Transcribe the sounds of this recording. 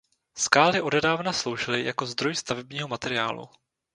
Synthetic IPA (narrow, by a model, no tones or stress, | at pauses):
skaːlɪʔo̞dɛdaːvnaslo̞wʒɪlɪjako̞zd̪ɾo̞jst̪avɛbɲiːɦo̞mat̪ɛɾɪa̰ːlṵ